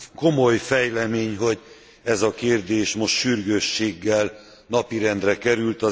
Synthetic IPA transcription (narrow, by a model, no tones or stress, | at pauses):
ko̞mo̞jfɛjlɛmeːɲɦo̞ɟ | ɛzɒkeːrd̪eːʃmo̞ʃt̪ʃyrɡøʃːeːɡːɛl | nɒpiɾɛnd̪rɛkɛɾylt̪ɒ